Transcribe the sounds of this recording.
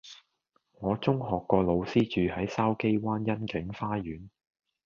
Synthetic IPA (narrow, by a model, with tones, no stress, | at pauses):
ŋɔː˨˧t͡sʊ˥ŋɦɔː˨kːɔː˧lo˨˧wsiː˥t͡ʃyː˨hɐ˨˥jsaː˥wke˥jwaː˥njɐ˥nkɪ˨˥ŋfaː˥jyː˨˥n